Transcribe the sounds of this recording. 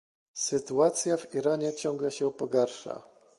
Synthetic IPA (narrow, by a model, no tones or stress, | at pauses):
sɘt̪uat̪sʲjaviɾaɲɛt͡ɕɔŋɡlɛɕɛupɔɡaɾʂa̰